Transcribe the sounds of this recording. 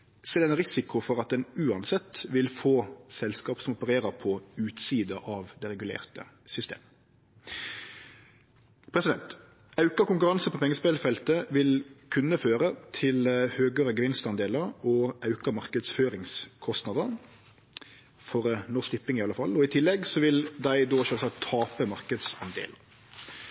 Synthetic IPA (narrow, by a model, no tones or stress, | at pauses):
sɛlɛnʁɪsɪkʊfɔʁɑt̪̚d̪ɛnʉːɑnsɛt̪ːʋɪlfoːsɛlskɑːpsɔmɔpəɾeːɾəɾpʰɔʉːt̪siːd̪əʔɑʋd̪ɛʁɛɡʉlḛːʁt̪ə̰ | sʏst̪ḛːmə | pʰɾɛsɪd̪ɛnt̪ | ɑʉkəkʊŋkʉʁɑnsəpʰɔpʰɛŋːəspɛlfɛlt̪əʋɪlkʰʉnːəføːɾət̪ʰɪlhøːɡəɾəɡəʋɪnst̪ɑnd̪eːləɾɔʔɑʉkəmɑʁkəd̪sføːɾɪŋskʰɔst̪nɑd̪əɾ | fɔɾnɔst̪ɪpːɪŋɪɑlːəfɑlɔɪt̪ʰɪlːɛɡsɔʋɪld̪æɪd̪oːʃøːsɑkt̪ʰːɑːpəmɑʁkəd̪sɑnd̪ḛːləɾ